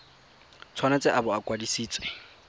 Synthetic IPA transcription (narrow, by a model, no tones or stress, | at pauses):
t͡sʰwanat͡sʼɪʔabɔakʼwadisiːt͡sʼwe̥